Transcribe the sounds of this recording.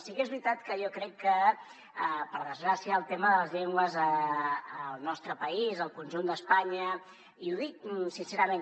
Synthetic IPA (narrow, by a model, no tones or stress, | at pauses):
sikezβɾit̪at̪kəjɔkɾɛkːə | əpəɾðəzɣɾasiəːlˠt̪eməðələzʎeŋɡwəzəː | lˠnɔst̪ɾəpəizəlˠkunʲʒund̪əspaɲə | iuðik̚sinseɾəmen